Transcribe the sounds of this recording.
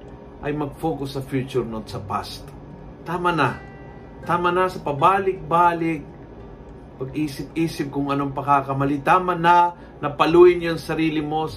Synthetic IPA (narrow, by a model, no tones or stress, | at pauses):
ʔɐjmɐɡ̚foːkʊsːɐfjuːt͡ʃʊɾnot̪̚sɐpa̰st̪ | t̪aːmɐna | t̪aːmɐnasɐpɐbaːlɪk̚baːlɪk̚ | pɐɡʔiːsɪp̚iːsɪp̚kʊŋɐnoŋpɐkaːkɐmɐlit̪aːmɐna | nɐpɐluːjɪnjoŋsɐɾiːlɪmo̞